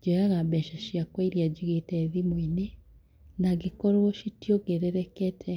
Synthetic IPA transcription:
d͡ʒojaɣabɛʃaʃjakwaiɾjad͡ʒiɣetɛðimwine | naɡekɔɾoʃitjɔɡeɾeɾɛkɛtʰɛ

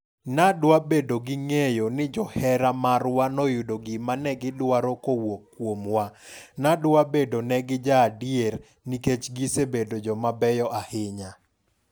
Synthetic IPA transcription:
nadwabedoɡɪŋejonɪd͡ʒɔhɛɾamaɾwanɔjudoɡɪmanɛɡɪdwaɾɔkowokːwomwanadwabedonɛɡɪd͡ʒaːdieɾ | niket͡ʃɡisebedod͡ʒɔmabɛjɔʔahɪɲa

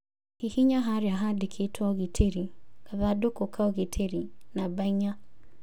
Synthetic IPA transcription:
kihiɲaɦaɾjaɦadekʰetʰɔɣitʰeɾikaðadokokʰaɔɣetʰeɾinabaiɲa

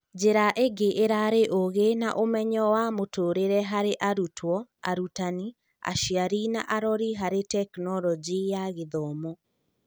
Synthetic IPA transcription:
d͡ʑeɾaʔeɡeʔeɾaɾeʔoɣenaʔomɛɲɔwamotoːɾeɾɛɦaɾeʔaɾutʰwɔa̰ɾutani | a̰ʃiaɾina̰ʔaɾɔɾiɦaɾetɛknɔlɔd͡ʒijaɣeðɔːmɔ

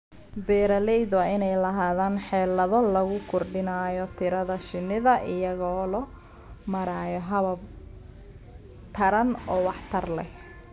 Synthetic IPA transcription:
bɛːɾɐlɛjðwaɪnɛjlɐɦaːðaːnħɛːlɐðɔlɐɣʊkʰʊrɖɪnaːjɔt̪ʰɪɾɐðɐʃɪnːɪðɐʔɪjɐɣɔːlɔ | mɐɾaːjɔɦɐβɐb̚ | t̪ʰɐɾɐnɔːwɑħt̪ʰɐrlɛh

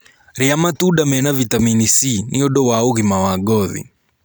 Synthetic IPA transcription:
ɾiamatuɗamɛnavitaminisiniɔɗɔwaoɣimawaɡɔðḭ

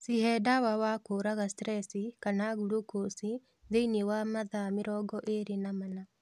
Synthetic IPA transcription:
sihɛdawawakoɾaɣastɾɛsikanaɣuɾukosi | ðeiniwamaðameɾɔɡɔʔeɾenamana

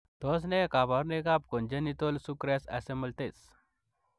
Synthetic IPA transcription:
t̪ɔs̬nekabaɾnekap̚kɔnd͡ʑanit̪olsukɾasa̰seməlt̪es

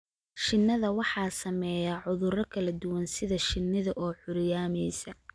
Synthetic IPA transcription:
ʃɪnːɐðɐwɑħɑːsɐmɛːjaːʕʊðʊɾɐkʰɐlɐd̪ʊwɐnsɪðɐʃɪnːɪðɐʔɔːħʊɾjaːmɛjsɐ

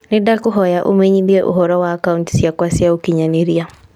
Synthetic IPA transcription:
nedakʊɦɔjaʔo̰mɛɲiðiɛʔo̰ɦɔɾɔwaːkaunti̥siakwasiaokiɲaneɾia

